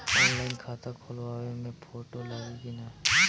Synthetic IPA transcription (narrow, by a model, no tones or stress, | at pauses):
ɔːnlaːɪnkʰaːt̪akʰoːlʋaːʋemẽpʰoːʈolaːʋiɡina